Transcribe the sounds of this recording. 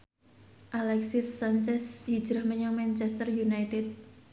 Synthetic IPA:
ʔalɛksisːant͡ʃɛshi̥d͡ʒɾahməɲɔŋmant͡ʃɛst̪ərjunajt̪ɛd̪̚

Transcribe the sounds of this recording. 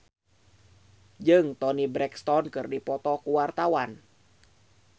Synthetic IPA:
d͡ʒɨŋt̪ɔnibɾɛkst̪ɔnkɨrdipɔt̪ɔkuwart̪awan

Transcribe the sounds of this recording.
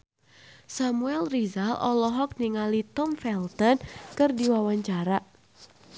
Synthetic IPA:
samuɛlrizalʔɔlɔɦɔk̚niŋalit̪ɔmfɛlt̪ɔnkɨrdiwawaɲt͡ʃaɾaʔ

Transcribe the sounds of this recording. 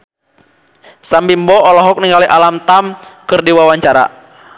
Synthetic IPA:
sambimbɔɔlɔɦɔk̚niŋɡaliʔalamt̪amkɨrdiwawaɲt͡ʃaɾa̰

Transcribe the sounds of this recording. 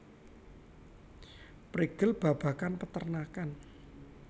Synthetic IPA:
pɾiɡ̥əlb̥a̤b̥a̤kanpət̪ərnakan

